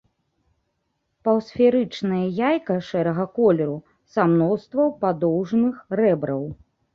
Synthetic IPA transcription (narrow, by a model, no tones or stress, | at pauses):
pɐwsfʲɛɾɨt͡ʂnɐjɐjajkɐʂɛɾɐɣɐkɔlʲɛɾu | samnɔwst̪vɐwpad̪ɔwʐnɨxrɛbɾɐw